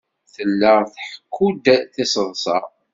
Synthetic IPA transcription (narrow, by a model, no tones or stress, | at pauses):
θəlːəʁθħə̥kʰːud̪θɪsəðˤsɑ